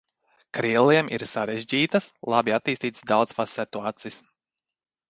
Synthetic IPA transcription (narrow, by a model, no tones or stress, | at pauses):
kɾiɛlˠiɛmʔḭɾsaɾɛʒd͡ʑiːt̪aslˠabiat̪ːiːst̪iːt̪sd̪awt̪sfasɛt̪uat̪sijs